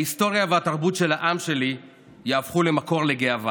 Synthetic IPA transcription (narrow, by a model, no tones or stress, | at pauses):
aist̪o̞ʁjaveat̪aʁbut̪ʃe̞laʔamʃe̞li | jaːfχule̞mako̞ʁle̞ɡeava